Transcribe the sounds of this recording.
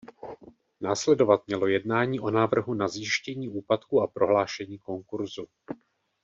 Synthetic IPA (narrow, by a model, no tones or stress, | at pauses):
naːslɛdo̞vat̪mɲɛlo̞jɛdnaːɲiːʔo̞naːvr̩ɦunazjɪʃcɛɲiːʔuːpat̪kuapɾo̞ɦlaːʃɛɲiːko̞ŋkuɾzu